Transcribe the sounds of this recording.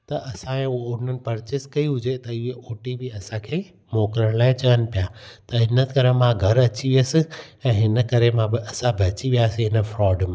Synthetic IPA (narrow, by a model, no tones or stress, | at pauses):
t̪ɐʔɐsãẽʊoʊɪn̤ənɪ̆pɐɾt͡ɕɪskɐiɦʊd͡ʑet̪ɐɪɦeʔoːʈibʱiɐsãkʰeː | moːkɾəɽ̃laːɪ̃t͡ɕɐʋən̆pijaːt̪ɐɦɪnəkɐɾemãɡʱɐɾɐt͡ɕiəsɪ̆ɛ̃ːɦɪnə̆kɐɾemãbɪɐsãbʱɐt͡ɕiʋijaːsĩɦɪnə̆fɾɔːɖmãː